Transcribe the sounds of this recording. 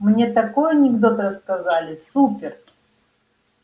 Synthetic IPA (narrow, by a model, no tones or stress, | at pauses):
mnʲet̪ɐko̞jɐnʲɪɡd̪o̞t̪ɾəskɐzalʲɪsupʲɪr